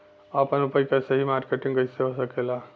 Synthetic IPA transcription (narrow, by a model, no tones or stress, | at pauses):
apənupəjkesəɦimaɾkeʈĩŋɡəjseɦosəkela